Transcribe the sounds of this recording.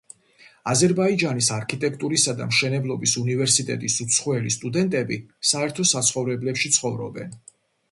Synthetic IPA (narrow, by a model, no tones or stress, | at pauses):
azɛɾbaid͡ʒanisaɾkʰit̪ʼɛkʰt̪ʼuɾisad̪a̰mʃɛnɛblˠɔbisunivɛɾsit̪ʼɛ̰t̪ʼisut̪sʰχwɛlist̪ʼud̪ɛnt̪ʼɛbisaɛɾt̪ʰɔsat̪sʰχɔvɾɛblɛpʃit̪sʰχɔvɾɔbɛn